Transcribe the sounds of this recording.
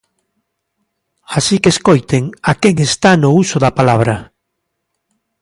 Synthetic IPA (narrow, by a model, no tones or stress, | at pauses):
asikeskojt̪eŋakeŋest̪anʊusʊðɐpalaβ̞ɾɐ